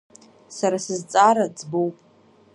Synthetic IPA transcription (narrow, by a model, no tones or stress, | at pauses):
saɾasɨzt͡sʼaɾad͡zbowpʼ